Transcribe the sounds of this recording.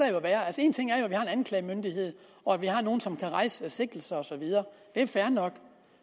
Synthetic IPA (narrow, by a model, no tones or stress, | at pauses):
ɾ̥æjoæʋæːɐælsəe̝ːnt͡sʰe̝ŋ̰æɐjoæʋihɑ̈e̝nænkʰlɛɪmønd̥ihe̝ð̞̰ˠ | ɒ̽æʋihɑ̈no̝ːn̩sɒ̽mkʰæʁɑ̈ɪ̰səese̝ɡ̥l̩sɐɒ̽sɒ̽ʋið̞ˠɐːd̥e̝ɐfæɐnɒ̽ɡ̥